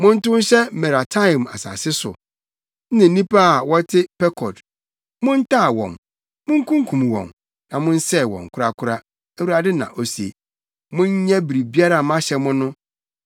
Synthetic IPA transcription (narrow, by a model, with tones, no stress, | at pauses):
mʊ̃˦n̩˦tʊ̃˦n̩˦ɕɛ˦mɛ˨ɾa˨tʰã˦˨ma̰˨sa̰ː˨sɪ˦sʊ̰˨˦ | nɪ̃˨n̩˦nĩ˦pa˦a˨wɔ˦tʰɪ˦pɛ˦kʰɔ˨d | mʊ̃˦n̩˦tʰa˦˨wɔ̰̃˨m | mʊ̃˦ŋ˦kʰũ˦ŋ˦kʰũ˨m˨wɔ̰̃˨m | nã˨mʊ̃˦n̩˦sɛ˦˨wɔ̰̃˨ŋ˨kʰʊ˦ɾa˦kʰʊ˦ɾa˦ | ɛ˦wu˨ɾa˨dɪ˦nã̰˨ʔo˨si˨ḛ˨ | mʊ̃˦ɲ˦ɲɛ̃˦bi˨ɾi˨bi˦a˦ɾa˨mã˦ɕɛ˨mʊ̃˦nʊ̃˦